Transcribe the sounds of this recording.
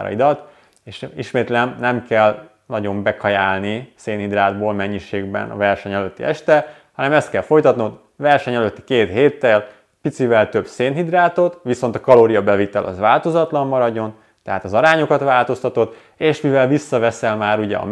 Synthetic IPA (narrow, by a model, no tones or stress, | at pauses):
ɾɒ̰id̪ɒt̪ː | eːʃiʃmeːt̪lɛmnɛmkɛl | nɒɟo̞mbɛkʰɒjaːlniseːnhid̪raːd̪boːlmɛɲːiʃeːɡbɛ̰nɒ̰vɛrʃɛɲɛløt̪ːḭʔɛʃt̪ɛ | hɒnɛmɛst̪̚kɛlfo̞jt̪ɒt̪not̪ | vɛrʃɛɲɛløt̪ːi̥keːt̪heːt̪ːɛl | pit̪sivɛlt̪ø̞bseːnɦid̪raːt̪o̞t̪ʋiso̞nt̪ɒkɒloːɾijɒbɛvit̪ɛlʔɒ̰zvaːlt̪o̞zɒt̪lɒmːɒɾɒɟːo̞n | t̪ɛɦaːt̪ɒzɒɾaːɲo̞kɒt̪vaːlt̪o̞st̪ɒt̪o̞t̪ | eːʃmivɛlvisːɒvɛsɛlmaːɾuɟɛ̰ɒ̰